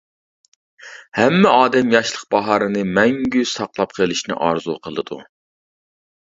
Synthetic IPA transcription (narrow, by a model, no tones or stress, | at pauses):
hɛmːɛɑːd̪ɛmjɑʃlˠəq̚bɑɦɑɾɨnɨmɛŋɡʲysɑqlˠɑp̚qʰəlˠɪʃnɪ̰ʔɑɾzuqʰəlˠɨ̰d̪ṵ